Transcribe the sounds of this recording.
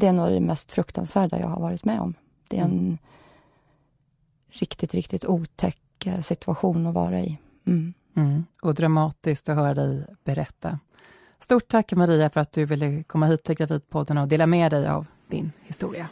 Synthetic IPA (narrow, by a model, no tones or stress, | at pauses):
d̪ɛænoːd̪ɛmɛst̪fɾɵkt̪ʰa̰nsvæːɖa̰jɑ̰ːɡha̰ɾvɑːɾɪt̪mɛɔ̰m | d̪̥ɛɛɾɛn | ɾɪkt̪ɪt̪ɾɪkt̪ɪt̪uːt̪ʰɛkː | sɪt̪ʰɵaɧuːnɔvɑ̰ːɾaɪ | ɔd̪ɾamɑːt̪ɪsk̚t̪ɔɦœːɾad̪ɛjb̥ɛɾɛt̪ʰːa | st̪uːʈ̚ʈʰːakːmaɾiːafœɾat̪̚d̪ɵvɪlːəkʰɔmːaɦiːt̪ʰːɪlɡɾaviːd̪̚pʰɔd̪ːənɔd̪eːlamɛːd̪ɛja̰v | d̪̥ɪnhɪst̪uːɾɪa